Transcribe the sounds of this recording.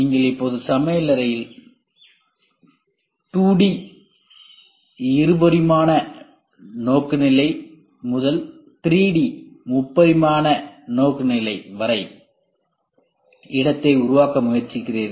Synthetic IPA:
niːŋɡɐɭɪpːoːðɯsɐmɐjlɐɾɐjɪl | ʈuːɽi | ɪɾɯbɐɾɪmaːnɐ | noːkːɯnɪlɐɪ | mʊðɐl | t̪ɪɾiːɽimʊpːɐɾɪmaːnɐnoːkːɯnɪlɐɪʋɐɾɐɪ | ɪɽɐt̪ːɐɪʊɾʊʋaːkɐmʊjɐɾt͡ʃːɪkːɪreːð

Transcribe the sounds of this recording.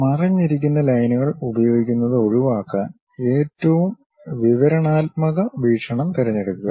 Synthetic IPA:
mɐrɐɲːiɾikʲːunːɐlɐjnuɣɐɭubɐjo̞ːɡikʲːunːɐðɨo̞ɻuʋaːkːaːn | e̞ːtːɐʋum | ʋiʋɐɾɐɳaːt̪̚mɐɣɐʋiːʂɐɳɐmt̪iɾɐɲːeɽukːuɣɐ

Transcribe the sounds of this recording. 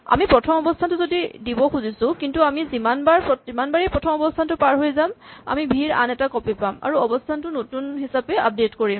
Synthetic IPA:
a̰mipɹɔtʰɔmɔbɔstʰantʊzodidibɔxuzisʊ̃kintuamizimanbaɹpɔzimanbaɹipɹɔtʰɔmɔbɔstʰantʊpaɹɦojzama̰mibʱiɹa̰nɛtakɔpipama̰ɹuɔbɔstʰantʊnotunɦisapɛʔap̚detkoɹim

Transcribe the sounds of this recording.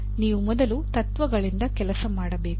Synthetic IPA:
niːʋumɔd̪ɐlut̪ɐt̪ʋɐɡɐɭind̪ɐkɛlɐsɐmaːɽɐbe̞ːk

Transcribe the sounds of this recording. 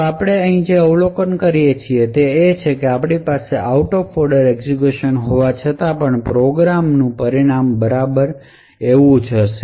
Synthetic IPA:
apɽ̃eəɦĩd͡ʒeəʋlokənkəɾijet͡ʃʰiet̪eːt͡ʃʰekeapɳipaseʔauʈofɔɾɖəɾeɡzikjuʃənɦoʋat͡ʃʰət̪apəɳpɾoɡɾamnũpəɾiɽ̃ambəɾabəɾ | eʋũd͡ʒəʃe̥

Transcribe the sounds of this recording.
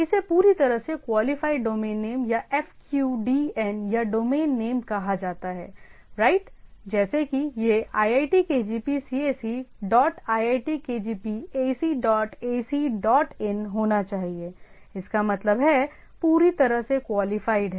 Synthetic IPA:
ɪsepuːɾit̪ɐɾəɦsekwaːlɪfaːɪɖɖoːmẽːnːeːmjaɛfkjuːɖiːɛnjaɖoːmeːnːeːmkɐɦad͡ʒaːt̪aɦɛːɾaːɪʈd͡ʒɛːsekijeaːjaːɪʈikeːd͡ʒiːpisiːeːsiɖɔːʈaːjaːɪʈikeːd͡ʒiːpieːsiɖɔːʈeːsiɖɔːʈɛnɦoːnat͡ʃaːɦie | ɪskamɐt̪ləbɦɛ | puːɾit̪ɐɾəɦsekwaːlɪfaːɪɖɦɛː

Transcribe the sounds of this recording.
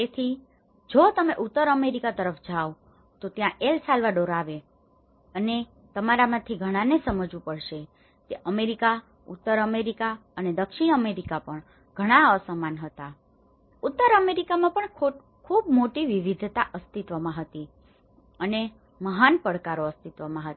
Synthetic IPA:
et̪ʰi | d͡ʒot̪əmeʔut̪ːəɾəmeɾikat̪əɾəfd͡ʒʱao | t̪ot̪jãʔelsalʋaɖoɾaʋe | əne | t̪əmaɾamãt̪ʰiɡʱəɽ̃ãnesəməd͡ʒũpəɽʃe | t̪eʔəmeɾika | ṵt̪ːəɾəmeɾikaəned̪əkʃiɽ̃əmeɾikapəɳ | ɡ̥ʱəɽ̃aəsəmanɦət̪a | ut̪ːəɾəmeɾikamãpəɳʰ | kʰubmoʈiʋiʋid̪ʱt̪aʔəst̪it̪ʋəmãɦət̪i | əne | məɦanpəɽkaɾoəst̪it̪ʋəmãɦət̪

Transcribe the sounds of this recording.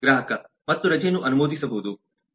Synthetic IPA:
ɡɾaːɦɐkɐ | mɐt̪ːuɾɐd͡ʒenːuʔɐnumoːd̪isɐbɐɦud̪u

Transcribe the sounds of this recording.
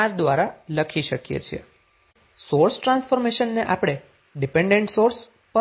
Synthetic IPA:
aɾd̪ʋaɾaləkʰiʃəkjḛt͡ʃʰiḛ | soɾsʈɾãnsfoɾmeʃənːeʔapɽ̃e | ɖipeɳɖeɳʈsoɾs | pə

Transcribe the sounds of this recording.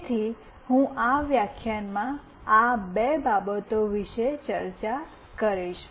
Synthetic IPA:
t̪ʰi | hũʔaʋjakʰjanmã | abebabət̪oʋiʃet͡ʃəɾt͡ʃa | kəɾiʃ

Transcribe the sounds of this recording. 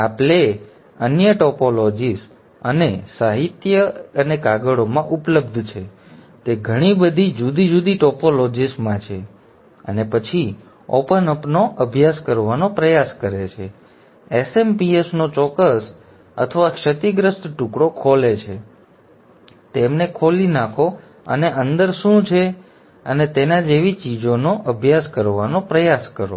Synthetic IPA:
apɭe | ənjəʈɔpolod͡ʒis | ənesaɦit̪jəənekaɡəɽomãʔupləbd̪ʱt͡ʃʰe | t̪eɡʱəɽ̃ibəd̪ʱid͡ʒud̪id͡ʒud̪iʈɔpolod͡ʒismãt͡ʃʰe | ə̰nepət͡ʃʰi | o̰pənəpnoʔəbʱjaskəɾʋanopɾəjaskəɾet͡ʃʰe | esempiesnot͡ʃɔkːəs | ə̰t̪ʰəʋakʃət̪iɡɾəst̪ʈukɽokʰolet͡ʃʰe | t̪emnekʰolinakʰo | ə̰neʔənd̪əɾʃũt͡ʃʰe | ənet̪enad͡ʒeʋit͡ʃid͡ʒonoʔəbʱjaskəɾʋanopɾəjaskəɾo̰

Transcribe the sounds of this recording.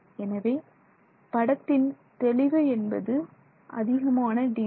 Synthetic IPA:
ɛnɐʋeː | pɐɽɐt̪ːɪn | t̪ɛɭɪʋɐɛnbɐ̰ðɯ | ʔɐ̰ðɪɣɐmaːnɐɖi

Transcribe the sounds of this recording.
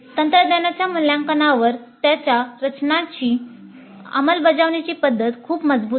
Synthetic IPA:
t̪ənt̪ɾəd̪anjat͡ɕjamuljãŋkənaʋəɾt̪jat͡ɕjaɾət͡ɕnat͡ɕiː | ə̰məlbəd͡zaʋɳat͡ɕiːpəd̪ʱːət̪kʰuːpməd͡zbuː

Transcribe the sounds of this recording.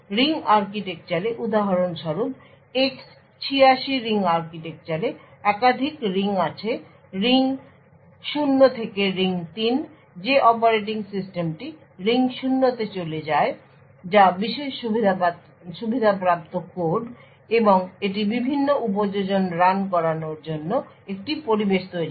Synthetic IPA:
ɾiŋaɾkiʈek̚t͡ɕaɾeʔud̪aɦaɾonʃɔɾub̚ | eks | t͡ɕʰiaʃiɾiŋaɾkiʈek̚t͡ɕaɾeɛkad̪ʱikɾiŋat͡ɕʰe | ɾiŋ | ʃunːot̪ʰekeɾiŋt̪in | d͡ʑeʔɔpaɾeʈ̬iŋsisʈemʈi | ɾiŋʃunːot̪et͡ɕoled͡ʑae | d͡ʑabiʃeʃubʱid̪ʱ | ʃubʱid̪ʱapɾap̚t̪okoɾɖ | eboŋeʈ̬ibibʱinːoʔup̬od͡ʑod͡ʑonɾank̬ɔɾanoɾd͡ʑonːo | ek̚ʈipoɾibeʃt̪oje

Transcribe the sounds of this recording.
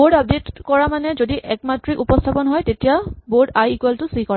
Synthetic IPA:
bodap̚detkɔɹamanɛzodiʔɛk̚matɹiʔupɔstʰapɔnɦɔjtetijaboɹdajikwɛltʊsikɔɹa

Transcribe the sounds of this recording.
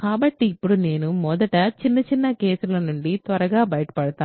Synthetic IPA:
kaːbɐʈːiːpːuɽune̞ːnumɔd̪ɐʈɐt͡ʃinːɐt͡ʃinːɐke̞ːsulɐnuɳɖit̪ʋɐɾɐɡaːbɐjɐʈɐ̥pɐɽɐt̪aː

